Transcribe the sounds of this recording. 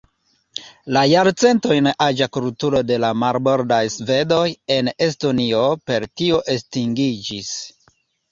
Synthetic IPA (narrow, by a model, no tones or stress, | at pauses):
lajaɾt͡se̞nto̞jnad͡ʒakultuɾo̞de̞lamaɾbo̞ɾdajsve̞do̞je̞ne̞s̬to̞nio̞pe̞ɾtio̞ʔestiŋɡid͡ʒis